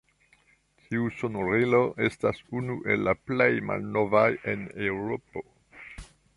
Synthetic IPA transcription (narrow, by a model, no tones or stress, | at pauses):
tʰiusonoɾilo̞ʔe̞stasunuʔe̞̰lːaplejma̰lno̞vaje̞newɾopo̞